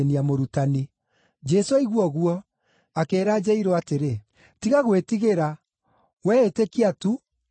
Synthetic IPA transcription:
niamoɾutani | d͡ʒɛsoiɣwɔɣwɔ | akeːɾad͡ʑɛiɾoateɾe | tiɣaɣwetiɣeɾa | wɛetekiatu

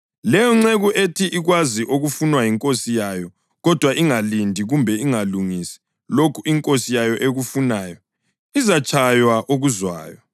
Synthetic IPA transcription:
lɛjɔŋ͡ǀeɣuʔetʰiʔiɣwaziʔoɣufunwajiŋkʼosijajɔ | ɣɔd̥ʱwaʔiŋalindʱiɣumbʱɛiŋaluŋisi̥ | lokʰuiŋkʼosijajɔʔeɣufunaːjɔ | izat͡ʃʼʰajwaʔoɣuzwa̰ːjɔ

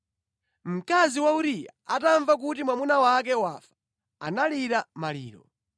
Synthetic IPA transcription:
m̩kaziwauɾija̰ataɱvak̬utimwamunawak̬ɛwafḁ | analiɾamalḭːɾɔ

